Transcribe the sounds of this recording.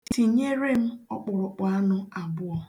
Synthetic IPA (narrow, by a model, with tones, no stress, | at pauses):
tti˨ɲe˦ɾe˦m̩˦ɔ̰˦k͡pɔ˨ɾɔ˨k͡pɔ˨a˦nʊ˦a˨bʊ˦ɔ˦